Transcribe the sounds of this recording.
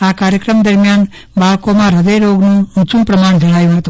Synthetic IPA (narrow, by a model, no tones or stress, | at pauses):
aːkaːɾjəkɾəmd̪əɾmjaːn | baːɭkomãɾədəjɾoɡnoũt͡ʃumpɾəmaːɳd͡ʒɐɽ̃aːjuɦat̪